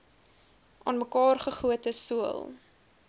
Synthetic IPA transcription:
ʔɑ̰ːnməkɑːrχəχuətəsuə̰lˠ

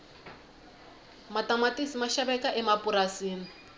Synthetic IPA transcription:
matamatʼisimaʃabɛkaʔɛmapuɾasiːni

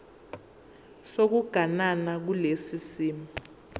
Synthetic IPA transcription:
sok̬uɡ̥ʱananak̬ulesisiːma

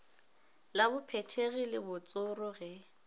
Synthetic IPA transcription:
labʊpʰɛtʰeɣilɪbʊt͡sʼʊrʊɣɛ

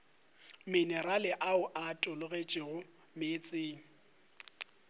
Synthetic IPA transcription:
mɪnɛralɪʔaʊʔatʼʊlʊɣet͡ʃʼɪɣʊ | meːt͡sʼɪːŋ̩

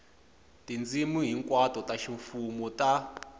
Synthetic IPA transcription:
tind͡zimuɦiŋkwatʼɔtaʃiɱfumɔtʼa

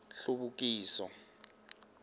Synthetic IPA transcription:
ɬuɓuk̬ʼiːsɔ

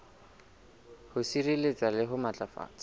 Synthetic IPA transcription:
hʊsirilet͡sʼalɪɦʊmat͡ɬʼafa̰ːt͡sʼa

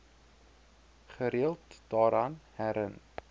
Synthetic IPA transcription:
χəɾiəlˠtd̥ɑːɾɐnhæɾən

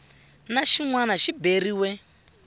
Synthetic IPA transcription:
naʃiŋwanaʃiberiwɛ

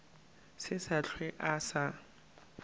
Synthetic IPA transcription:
sɪsaɬʰwɛʔasa

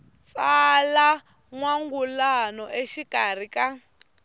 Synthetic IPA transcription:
t͡sʼala | ŋwaŋɡulanɔʔeʃikʼar̤ikʼa

